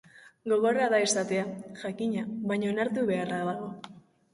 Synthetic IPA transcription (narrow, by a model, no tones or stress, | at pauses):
ɡo̞ɣo̞raðaesat̪e̞aʝakiɲaβajɲonaɾt̪uβe̞araðaɣ̞o̞